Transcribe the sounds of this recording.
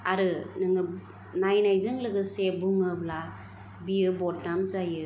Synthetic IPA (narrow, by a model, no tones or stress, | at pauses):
aɾɯnɯŋɯ | najnajzɯŋlɯɡɯsebuŋɯbla | bijɯbɔtnamzajɯ